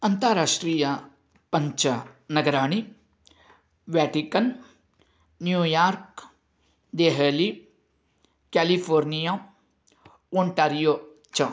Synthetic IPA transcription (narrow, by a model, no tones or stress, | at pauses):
ɐnt̪əɾaːʂʈɾiːjɐ | pɐɲt͡ʃɐnɐɡɐɾaːɽ̃i | ʋjaːʈikɐn | njuːjaːɾk | d̪eɦeli | kɛːlifʰoːɾnija | oːɳʈaːɾijoː | t͡ʃɐ